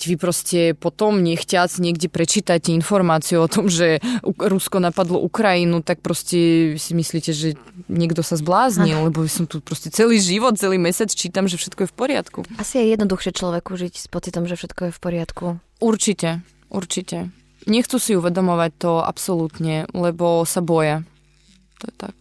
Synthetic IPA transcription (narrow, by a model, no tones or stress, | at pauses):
ʋipɾɔscɛpɔt̪ɔmɲɛxcasiɲɛɡɟɛpɾɛt͡ʃiːt̪acɛinfɔɾmaːt͡siuɔt̪ɔmʒɛuɾuskɔnapad̪lɔ̰ʔukɾajinut̪ak̚pɾɔscɛisimisliːcɛʒɛɲɛɡd̪ɔsazblaːzɲillɛbɔʋisɔmt̪upɾɔscɛt͡sɛliːʒiʋɔt̪̚t͡sɛliːmɛsat͡st͡ʃiːt̪amʒɛfʃɛt̪kɔjɛfpɔɾɪa̰t̪kuasijɛjɛd̪nɔd̪uxʃɛt͡ʃlɔʋɛkuʒicspɔt͡sit̪ɔmʒɛfʃɛt̪kɔjɛfpɔɾɪat̪ku | uɾt͡ʃicɛ | ʔṵɾt͡ʃicɛ | ɲɛxt͡susiuʋɛd̪ɔmɔʋac̚t̪ɔa̰psɔlut̪ɲɛlɛbɔsabɔja | t̪ɔjɛt̪a̰k̚